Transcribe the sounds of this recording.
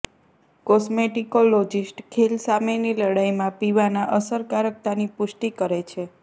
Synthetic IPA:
kɔsmeʈikolod͡ʒisʈkʰilsameniləɽajmãpiʋanaʔəsəɾkaɾək̚t̪anipʊʃʈikəɾet͡ʃʰe

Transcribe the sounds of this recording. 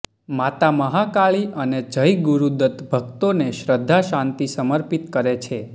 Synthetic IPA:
mat̪aməɦakaɭiʔəned͡ʒəjɡuɾud̪ət̪bʱəkt̪oneʃɾəd̪ʱːaʃãnt̪isəməɾpit̪kəɾet͡ʃʰe

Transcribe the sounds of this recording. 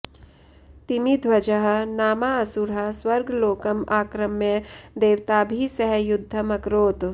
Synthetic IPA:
t̪imid̪ʱwɐd͡ʒəɦɐ̆naːmaɐsuɾɦɐ̆swɐɾɡʱloːkɐmaːkɾɐmed̪eːʋt̪aːbʱisɐɦjʊd̪ʱːɐmɐkɾoːt̪

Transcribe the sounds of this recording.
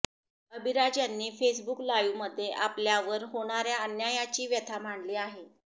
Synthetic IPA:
əbʱiɾad͡ʑjanːiːfesbuklajuʋməd̪ʱːjeʔapljaʋəɾɦoɽ̃aɾjaənjajat͡ɕiːʋjət̪ʰam̤aɳliːaɦe

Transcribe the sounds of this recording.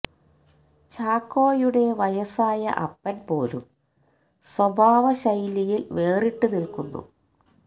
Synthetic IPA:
t͡ɕaːkːo̞ːjuɽe̞ʋɐjɐsaːjɐ̰ʔɐ̰pːɐnpo̞ːlṵm | swɐbʱaːʋɐɕɐjlijilʋe̞ːriʈːunilkunːṵ

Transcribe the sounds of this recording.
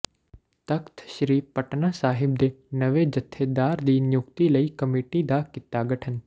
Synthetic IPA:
t̪ɐkt̪ʰʃɾiːpɐʈnaːsaːɦɪb̚d̪eːnɐʋed͡ʒɐt̪ʰːeːd̪aːɾd̪iːnjʊkt̪ilɐikɐmeːʈid̪akɪt̪ːaɡɐʈʰən

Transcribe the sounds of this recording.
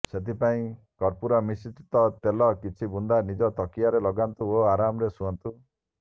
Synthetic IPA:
set̪ipaĩ | kɔɾpuɾɔmisit̪it̪ɔt̪elɔkit͡ʃʰibund̪anid͡ʒɔt̪ɔkijaɾelɔɡant̪uoaɾamɔɾesuɔnt̪u

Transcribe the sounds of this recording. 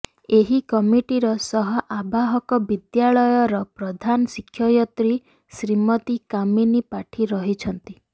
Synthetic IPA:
eɦikɔmiʈiɾɔsɔɦɔʔabaɦɔkɔbid̪jaɭɔjɔɾɔpɾɔd̪ʱanɔsikʰːjɔjɔt̪ɾi | sɾimɔt̪ikaminipaʈʰiɾɔɦit͡ʃʰɔnt̪i

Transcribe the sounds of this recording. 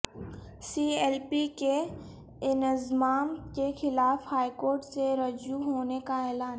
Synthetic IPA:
siːeːlpike | ɪnɪzmaːmkexɪlaːfhaːikoːɾʈseɾɐd͡ʒuɦoːnekaɛːlaːn

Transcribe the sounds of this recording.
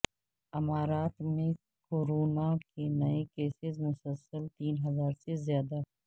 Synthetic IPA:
ɪmaːɾaːt̪mẽ | koːɾoːnakenɐekeːsɪzmʊsəlsəlt̪iːnɦɐzaːɾsezjaːd̪a

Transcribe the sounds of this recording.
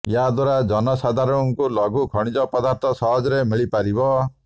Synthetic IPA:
jad̪waɾad͡ʒɔnɔsad̪ʱaɾɔŋkulɔɡukʰɔɽ̃id͡ʒɔpɔd̪aɾt̪ʰɔsɔɦɔd͡ʒɾemiɭipaɾibɔ

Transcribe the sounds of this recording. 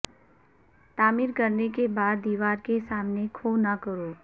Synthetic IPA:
t̪aːmiːɾkəɾnekebaːd̪ːiːʋaːɾkesaːmnekʰoːnakəɾoː

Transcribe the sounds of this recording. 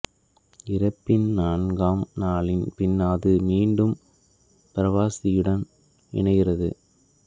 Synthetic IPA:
ɪɾɐpːɪnnaːɳɡaːmnaːɭɪnpɪnːaːðɯmiːɳɖɯm | pɪɾɐʋaːsɪjɯɽɐn | ɪ̰ɳɐɣɪrɐðɯ̰

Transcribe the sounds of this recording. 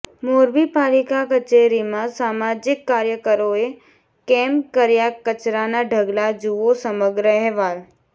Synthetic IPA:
moːɾbipaːlɪkakət͡ʃeɾimãsaːmaːd͡ʒɪkːaːɾjəkəɾoe | keːmpkəɾjakət͡ʃɾanaɖʱəɡlad͡ʒuʋosəməɡɾəɦɛʋaːl

